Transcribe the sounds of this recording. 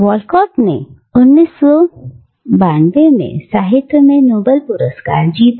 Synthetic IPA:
ʋɔːlkɔːʈnḛ | ʊnːiːsɔ | baːnbemḛ̃saːɦɪt̪ːomẽnoːbəlpʊɾəska̰ːɾd͡ʒiːt̪

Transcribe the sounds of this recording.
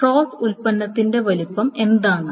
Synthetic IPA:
o̞ːfulpɐnːɐt̪ːinde̞ʋɐlupːɐme̞nd̪aːɳɨ

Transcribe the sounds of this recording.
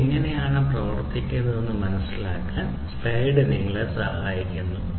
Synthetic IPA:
iŋːɐne̞jaːɳɨprɐʋɐrt̪ːikʲːɐðɐonːɨmɐnɐsːilaːkːaːn | spejɖɨniŋːɐɭesɐhɐaːjikʲːunːɐɨ

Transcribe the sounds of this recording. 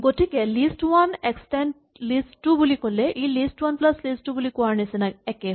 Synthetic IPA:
ɡotikɛlistwanɛkstɛnd | listːubulikolɛʔilistwanplaslistːubulikʊwaɹnisinaɛkɛ

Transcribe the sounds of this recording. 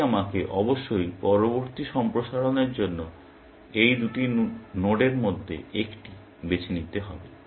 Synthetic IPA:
amakeʔɔboʃːojpɔɾoboɾt̪iʃɔmpɾoʃaɽoneɾd͡ʑonːo | ejd̪uʈinoɖeɾmod̪ʱːḛekʈi | bet͡ɕʰinit̪eɦɔbe

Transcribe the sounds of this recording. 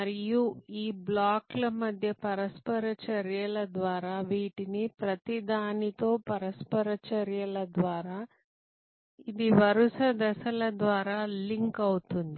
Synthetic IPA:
mɐɾijuiːblaːklɐmɐd̪ʱjɐpɐɾɐspɐɾɐt͡ʃɐɾjɐlɐd̪ʋaːɾaːʋiːʈinipɾɐt̪id̪aːnit̪o̞ːpɐɾɐspɐɾɐt͡ʃɐɾjɐlɐd̪ʋaːɾaː | id̪iʋɐɾusɐd̪ɛsɐlɐd̪ʋaːɾaːliŋkɐwut̪und̪i

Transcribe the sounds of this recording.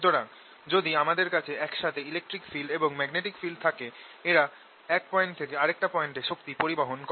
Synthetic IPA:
d̪oɾaɡ | d͡ʑod̪iamad̪eɾkat͡ɕʰeɛkʃat̪ʰeilek̚ʈɾikfilɖeboŋmɛɡneʈikfilɖ̚t̪ʰakeeɾa | ɛk̚pɔeɳʈt̪ʰekeaɾek̚ʈapɔeɳʈeʃokt̪ipoɾibaɦonkɔ

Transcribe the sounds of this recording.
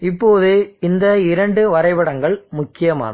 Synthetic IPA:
ɪpːoːðɯɪnd̪ɐɪɾɐɳɖɯʋɐɾɐɪʋɐɽɐŋɡɐɭmʊkːɪjɐma̰ːnɐ

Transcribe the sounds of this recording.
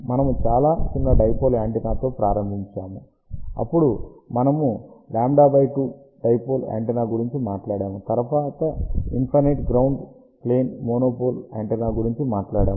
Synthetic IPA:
mɐnɐmut͡ʃaːlaːt͡ʃinːɐɖɐjpoːlaːɳʈinaːt̪o̞ːpɾaːɾɐmbʱiɲt͡ʃaːmu | ɐ̰pːuɽumɐnɐmulaːmɖaːbɐjʈuː | ɖɐjpoːla̰ːɳʈinaːɡuɾiɲt͡ʃimaːʈlaːɽaːmut̪ɐɾɐʋaːt̪ɐinpʰɐɾneʈɡɾɐwɳɖ | pleːnmoːnoːpoːla̰ːɳʈɐnaːɡuɾiɲt͡ʃimaːʈlaːɽaːm

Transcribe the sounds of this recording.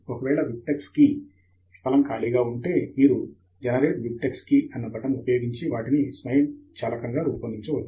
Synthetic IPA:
okɐʋɛːɭɐʋip̚ʈekski | st̪ʰɐlɐmkaːɭiːɡaːuɳʈe̞ːmiːɾu | d͡ʒɐnɐɾeːʈʋip̚ʈekskiʔɐnːɐbɐʈɐmuupɐjoːɡiɲt͡ʃiʋaːʈinismɐjɐmt͡ʃɐːlɐkɐŋɡaːɾuːpɐnd̪iɲt͡ʃuʋɐt͡ʃː

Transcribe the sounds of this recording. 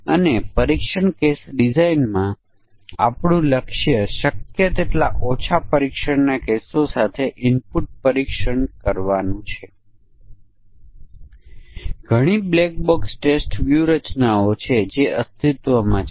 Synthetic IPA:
ənepəɾikʃəɳkesɖizainmã | a̰pɳũləkʃjəʃəkjət̪eʈlaʔot͡ʃʰapəɾikʃəɳnakesosat̪ʰeʔɪmpuʈ̚pəɾikʃəɳkəɾʋanũt͡ʃʰe | ɡʱəɽ̃iblɛk̚boksʈesʈʋjuɾət͡ʃnaot͡ʃʰed͡ʒeʔəst̪ʰit̪ʋəmã

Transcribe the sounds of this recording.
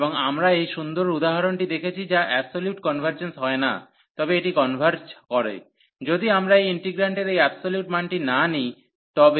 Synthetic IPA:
boŋamɾaejʃund̪oɾud̪aɦaɾonʈid̪ekʰet͡ɕʰid͡ʑaʔɛbsoljuʈkɔnbʱaɾd͡ʑensɦɔena̰ | t̪ɔbeeʈikɔnbʱaɾd͡ʑkɔɾḛ | d͡ʑod̪iamɾaejiɳʈiɡɾaɳʈeɾejɛbsoljuʈmanʈinani | t̪ɔbe

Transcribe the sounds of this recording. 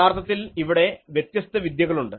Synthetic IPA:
aːrt̪ʰːɐt̪ːiliʋiɽe̞ʋjet̪jɐst̪ʰːɐʋid̪jɐɣɐɭuɳɖɨ

